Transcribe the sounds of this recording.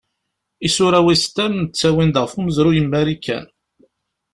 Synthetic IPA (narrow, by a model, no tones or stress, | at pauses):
isʊɾæwist̪æmnət͡sːæwind̪ʁfuməzɾujəmːæɾikʰːæ̰n